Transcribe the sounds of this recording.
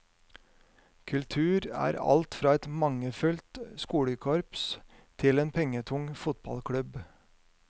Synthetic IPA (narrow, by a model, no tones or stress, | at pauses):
kʰʉlt̪ʰʉːɾæ̰ːɾɑ̰lt̪fɾɑːɛt̪mɑŋəfʉlt̪skuːɽəkʰɔɾps | t̪ʰɪleːnpʰɛŋət̪ʰʊŋfʊt̪̚bɑ̰lkʰɽʉb